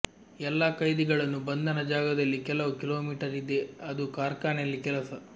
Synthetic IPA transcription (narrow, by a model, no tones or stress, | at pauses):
ɛlːaːkɐjd̪iɡɐɭɐnːubɐnd̪ɐnɐd͡ʒaːɡɐd̪ɐlːikɛlɐʋukiloːmiːʈɐɾid̪e̞ɐd̪ukaːɾkaːnejɐlːikɛlɐsɐ